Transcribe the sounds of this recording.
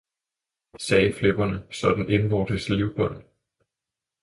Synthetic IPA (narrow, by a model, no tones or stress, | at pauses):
sɛːfleb̥ɐnəsɒ̽d̥n̩e̝nʋɒːd̥əsliʊb̥ɔ̽n̰